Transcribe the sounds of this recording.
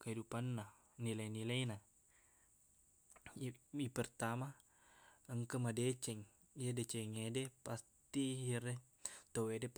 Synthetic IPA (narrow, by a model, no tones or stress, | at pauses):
kaɦidupanːa | nilajnilaina | ipərt̪ama | əŋkəmadet͡ʃɛŋ | iadet͡ʃɛŋedepast̪ijare | t̪owede